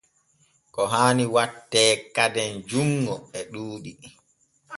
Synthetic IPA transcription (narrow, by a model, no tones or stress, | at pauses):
kɔɦaːniwatːɛːkadɛnd͡ʒuŋɡɔɛɗuːɗi